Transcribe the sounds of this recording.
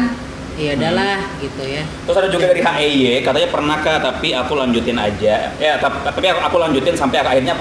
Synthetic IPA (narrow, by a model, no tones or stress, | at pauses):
ijaudalahɡit̪ujat̪ɾʊsadad͡ʒuɡadaɾiɦaʔejekat̪aɲapərnahkaht̪apiakulaɲd͡ʒut̪ɪna̰d͡ʒajat̪at̪apiakʔakulaɲd͡ʒut̪ɪnsampajakahirɲa